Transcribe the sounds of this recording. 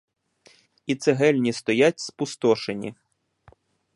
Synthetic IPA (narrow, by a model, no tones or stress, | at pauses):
it̪sɛɦɛlʲnʲist̪ɔjatʲspʊst̪ɔʃenʲḭ